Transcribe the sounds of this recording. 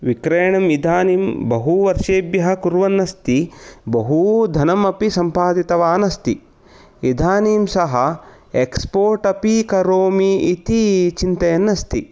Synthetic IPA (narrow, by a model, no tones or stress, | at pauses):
ʋikɾeːɳɐmid̪ʱaːniːmbɐɦuʋɐɾʃeːbjɐɦɐ̆kuɾʋɐnːɐst̪ibɐɦud̪ʱɐnɐmɐpisɐmpaːd̪it̪ɐʋaːnɐst̪i | id̪ʱaːniːmsɐɦɐ | ekspoːɾʈɐpikɐɾoːmiit̪it͡ʃint̪ɐjɐnːɐst̪i